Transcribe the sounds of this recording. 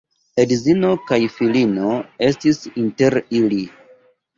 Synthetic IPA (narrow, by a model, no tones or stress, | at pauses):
edzino̞kajfilino̞e̞stisinte̞ɾili